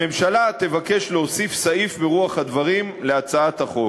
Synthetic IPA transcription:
e̞mʃalat̪e̞vake̞ʃleosifsaʔifbeʁuaχhad̪vaʁimleat͡saat̪haχo̞

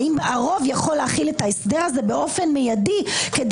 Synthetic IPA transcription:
imbeʔaʁo̞vjaχo̞lːeaχilet̪aesdeʁaze̞be̞ʔo̞fe̞nmejadiked

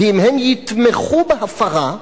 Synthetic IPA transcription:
iimhemjit̪meχubehafaʁa

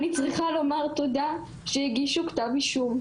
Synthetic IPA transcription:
nit͡sʁiχalo̞maʁt̪od̪a | ʃejiɡiʃukt̪aviʃum

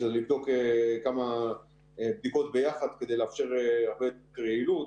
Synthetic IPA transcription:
ezelivd̪o̞kekama | b̚d̪iko̞t̪̚be̞jaχad̪ked̪ejleafʃe̞ʁaʁbekʁeilut

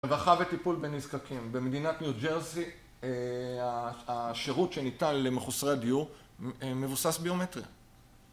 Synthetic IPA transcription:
vaχavetipulbe̞nːizkakimbe̞med̪inatnjud͡ʒeʁzi | aaʃeʁutʃe̞nitanlemeχusʁeadiu | me̞vusasbio̞metʁia̰

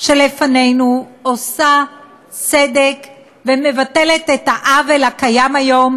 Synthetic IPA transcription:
ʃe̞lefane̞jnuosa | t͡sedek | veme̞vatelet̪etaʔavelakajamajo̞m

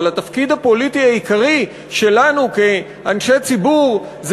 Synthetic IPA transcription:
lat̪afkid̪hapo̞litiaikaʁi | ʃe̞lanuke | anʃet͡sibuʁ | z

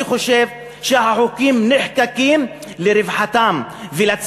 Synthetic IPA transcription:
χo̞ʃe̞v | ʃeaħokimneħkakim | leɾevħat̪am | velat͡s

